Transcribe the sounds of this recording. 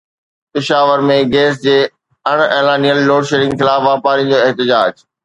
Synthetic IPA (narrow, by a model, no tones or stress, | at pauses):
pɪʃaːʋəɾmẽɡeːs̬d͡ʑeː | ɐɽ̃eːlaːnijəlːoːɽʃeːɾɪ̃ŋɡxɪlaːfʋaːpaːɾĩə̃d͡ʑoːɪɦt̪ɪd͡ʑaːd͡ʑ